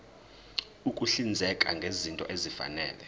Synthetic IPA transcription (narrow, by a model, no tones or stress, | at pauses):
ukʼuɬind͡zʱɛkʼa̰ŋɡʱezintʼɔʔezifa̰nɛ̰ːlɛ